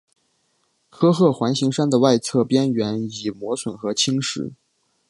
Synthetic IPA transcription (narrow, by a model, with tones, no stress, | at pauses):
kʰɤ˥xɤ˥˩xwa˧˥nɕi˧˥ŋʂa˥nd̪ə˨wa˥˧ɪt͡sʰɤ˥˧pjɛ˥nɥɛ˧˥ni˨˩mwɔ˧˥swə˨˩nxɤ˧˥t͡ɕʰi˥ŋʂɻ̩̰˧˩˥